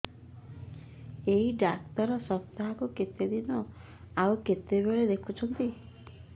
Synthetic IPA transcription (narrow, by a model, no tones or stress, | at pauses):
eɦiɖakt̪ɔɾɔsɔpt̪aɦakuket̪ed̪inɔ | awket̪eβeɭed̪ekʰut͡ʃʰɔnt̪i